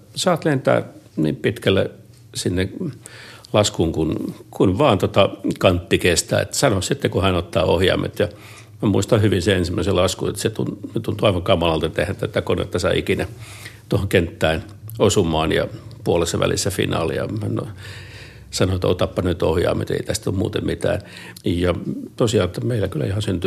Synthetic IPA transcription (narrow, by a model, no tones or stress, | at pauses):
sɑːt̪lent̪æ̰ːnḭːmpit̪kælːḛ | sinːe | lɑskuŋkunkunʋɑːnt̪ot̪ɑkɑnt̪ːikest̪æ̰ːḛt̪sɑnossit̪ːekuhænot̪ːɑːohjɑ̰ːmʔḛt̪jɑ | mæmuist̪ɑhyʋinseensimːæiselɑskṵḛt̪set̪ṵnnet̪unt̪uɑiʋɑŋkɑmɑlɑlt̪ɑt̪ehænt̪æt̪ækonḛt̪ːɑsɑiikinæ | t̪ohoŋkent̪ːæːn | osumˑɑːnjɑ̰puolesːɑʋʔæ̰lʔḭsːæfḭnɑ̰ːlḭɑ̰hæno̰ | sɑnoet̪o̰t̪ɑpːɑnyt̪ohjɑ̰ːmḛt̪ḛit̪æst̪ommuːt̪emmit̪æ̰ːn | jɑt̪osiɑlt̪ːɑmeilːækylæ̰ihɑnsynt̪y